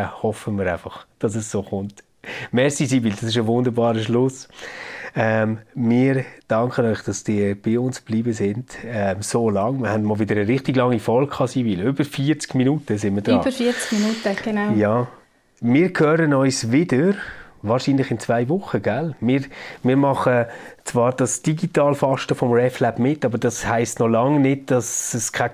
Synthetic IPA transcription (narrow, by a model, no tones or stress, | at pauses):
hɔfəmɪːɾaɪfɑχd̥ɑsɛssoːχʊnt | mɛɾsisibiːldɑsɪʃ̬əʋʊndəɾbɑːɾəʃlʊs | ɛmmɪːɾd̥ɑŋkənɔʏχd̥ɑsd̥ɪb̥ɪʊnsb̥liːbəsɪnd̥ɛmsoːlɑŋmɪhɛndmɔːlʋɪdəɾəɾɪχtɪɡlɑŋːifɔlkʰɑːsibilʏbəɾfiːɾt͡skminuːtəsɪnməd̥ɾːbəɾfiɾt͡skminuːtəɡ̥enajɑː | mɪːɾkʰøːɾənɔʏsvɪdəɾvɑːɾʃiːnlɪχɪnt͡svaɪvʊχəɡ̥ælmɪːɾmɪːɾmɑχət͡svɑːɾd̥ɑsd̥iɡitɑːlfɑʃtəfɔmrɛflæb̥mɪtɑbəɾd̥ɑshaɪstnɔlɑŋnɪd̚d̥ɑsɛskʰa